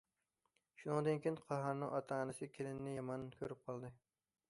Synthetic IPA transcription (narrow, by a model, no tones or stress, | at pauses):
ʃʊnɨŋd̪ɪnkʲʰenqʰɑɦɑɾnɪ̰ŋʔɒt̪ʰɑːnasɪkʲʰelɪnːɪjɑmɑnkʲʰɵɾɪp̚qʰɒlˠd̪ɪ